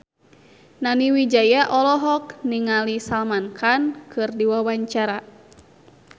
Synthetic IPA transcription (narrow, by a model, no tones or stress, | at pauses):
naniwid͡ʒajaʔɔlɔɦɔk̚niŋalisalmankʰankʰɨrdiwawaɲt͡ʃaɾa